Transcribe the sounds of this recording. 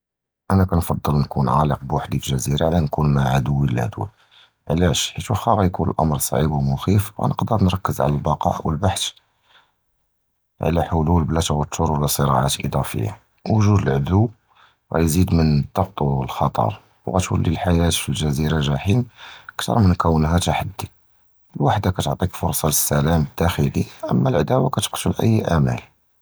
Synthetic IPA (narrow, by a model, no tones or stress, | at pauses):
ʔænækænfɑd̪ˤːəlnkunʕaləqbwaħd̪ifəlʒæziɾaʕlænkunmaʕad̪əwːiləlʕd̪ṵ | ʕlæʃħit̪wəxːæɣæjkunəlʔɑ̰mɾˤsˤɑ̰ʕibwmʊxifwɣæ̰nəqd̪əɾˤnɾˤɑkːəzʕa̰lælbɑqɑ̰ʔwəlbaħt̪ | ʕ̰læħʊlulblæt̪wət̪ʰːʊɾwlæsˤəɾɑʕat̪ʔə̰d̪ˤɑfə̰jːa̰ | wəʒud̪əlʕd̪u | ɣæ̰jzid̪mənd̪ːɑq̚t̪ˤlxɑt̪ˤɑ̰ɾˤ | wɣæ̰t̪wə̰lːilħajæt̪filʒæziɾalʒæħimkt̪ɾˤmːənkəwənɦæt̪aħad̪ːi | lwaħd̪akæt̪oʕt̪ˤikfʊɾˤsˤɑləsːælæməd̪̥ːæxəliʔəmːælʕad̪æwakæt̪ə̥qt̪ulʔə̰jːʔæmæ̰l